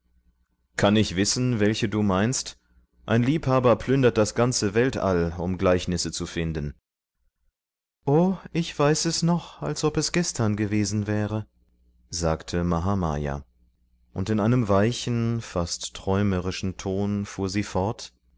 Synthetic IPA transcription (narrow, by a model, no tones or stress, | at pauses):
kʰanɪçv̥ɪsn̩vɛlçəduːmaɪnst | ʔa̰ɪnliːphaːbɐpʰl̥ʏndɐt̚d̥asɡ̥ant͡səvɛltʔa̰lʊmɡlaɪçnɪsət͡sufɪndn̩ | ʔoːʔɪçv̥aɪsɛsnɔχalsʔɔpɛsɡ̥ɛstʰɐnɡəveːzn̩vɛːʁə | zaːktʰəmaɦama̰ːja̰ː | ʔʊntɪnʔaɪnəmvaɪçn̩fastʰːʁ̥ɔʏməʁɪʃn̩tʰoːnfuːɐziːfɔɐt